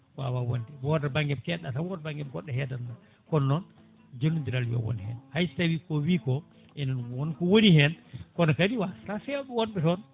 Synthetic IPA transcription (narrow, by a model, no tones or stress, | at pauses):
wa̰wawondɛwɔdabaŋɡɛmkɛɗːatawɔdabaŋɡɛmɡɔɗːɛhɛdanda | kɔnːɔn | d͡ʒonudiɾaljɔ̰wɔ̰nhɛ̰nhajstawikɔwikɔ | ʔɛnɔnwɔnkɔwonihɛnkɔnɔkadiwasɾafɛɓɛwɔnbɛtɔn